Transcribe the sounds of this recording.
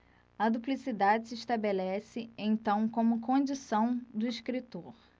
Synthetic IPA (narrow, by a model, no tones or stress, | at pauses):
ɐd̪uplisid̪ad͡ʒɪsɪiʃt̪abelɛsɪẽt̪ɐ̃w̃kõmʊkõd͡ʒisɐ̃w̃d̪ʊiʃkɾit̪oɾ